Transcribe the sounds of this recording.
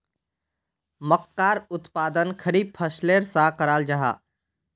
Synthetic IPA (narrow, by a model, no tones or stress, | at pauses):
məkːaːɾʊt̪paːd̪ənkʰəɾiːb̚pʰəsleːɾsakəɾaːld͡ʒaɦa̰ː